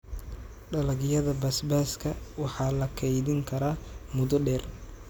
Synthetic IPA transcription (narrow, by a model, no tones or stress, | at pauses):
ɖɐlɐɣjɐðɐbɐsbaːskʰɐwɑħɑːlɐkʰɛjðɪŋkʰɐɾaːmʊðɔɖɛːr